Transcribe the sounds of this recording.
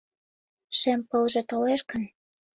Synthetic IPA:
ʃempəlʒet̪oleʃkən

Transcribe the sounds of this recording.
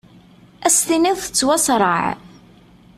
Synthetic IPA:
æst̪iniðθə̥t͡sːwæsɾˤə̰ʕ

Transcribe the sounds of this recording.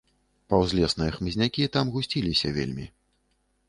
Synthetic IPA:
pɐwzʲlʲɛsnɨjɐxmɨzʲnʲakʲit̪amɣusʲt͡sʲilʲisʲɐvʲḛlʲmʲi

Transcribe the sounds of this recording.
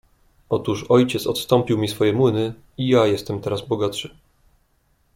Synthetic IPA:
ɔt̪uʂɔjt͡ɕɛt̪sɔt̪st̪ɔ̃mpʲiwmʲisfɔjɛmwɘnɘ | ijajɛst̪ɛmt̪ɛɾazbɔɡat̪ʂɘ

